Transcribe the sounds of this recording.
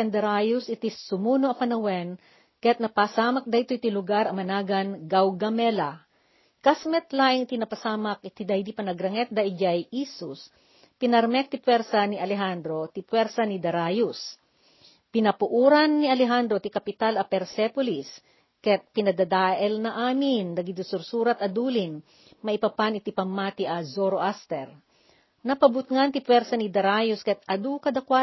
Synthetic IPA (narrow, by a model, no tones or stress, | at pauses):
ɛnd̪ɐɾajusʔɪt̪isʊmuːnoʔɐpɐnɐwɛn | kɐjat̪nɐpasaːmɐk̚d̪ɐjt̪oʔt̪ilʊɡaɾɐmɐnaːɡɐnɡawɡɐmɛlɐ | kasmɛt̪laːʔɪŋɪt̪inɐpɐsaːmɐk̚ʔɪt̪id̪ɐjd̪ipɐnɐɡɾɐŋɛt̪̚d̪ɐʔɪd͡ʒajʔisʊs | pɪnɐɾmɛk̚t̪ipwɛɾsɐniʔɐlɛɦand̪ɾo̞t̪ipwɛɾsɐnid̪ɐɾajus | pɪnɐpʊʔuːɾɐnːiɐlɛɦand̪ɾot̪ikɐpɪt̪alɐpɛɾsɛpolis | kɛt̪̚pɪnɐd̪ɐd̪aːʔɛlnɐʔaːmɪnd̪ɐɡid̪ʊsʊɾsuːɾɐt̪ɐd̪uːlɪn | mɐʔipɐpanɪt̪ipɐmːat̪iʔɐzoɾoʔast̪ɛɾ | nɐpɐbʊt̪̚ŋant̪ɪpwɛɾsɐnid̪ɐɾajʊskɛt̪̚ɐd̪ukɐd̪ɐkwa